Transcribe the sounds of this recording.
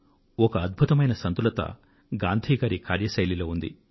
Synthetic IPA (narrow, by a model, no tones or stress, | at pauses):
ɔkɐːd̪̚bʱut̪ɐmɐjnɐsɐnt̪ulɐt̪ɐ̰ | ɡaːnd̪ʱiːɡaːɾikaːɾjɐʃɐjlilo̞ːund̪ḭ